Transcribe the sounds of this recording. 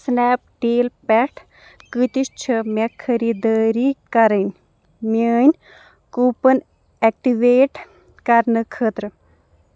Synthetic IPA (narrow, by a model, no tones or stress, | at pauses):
snɛːp̚ʈeːlpɛʈʰ | kɨt̪ist͡ʃʰɐmɛkʰɐɾid̪əːɾikɐɾənʲ | mʲəːnʲ | kuːpən | ɛk̚ʈiʋeːʈ | kɐɾnɨkʰəːt̪ɾə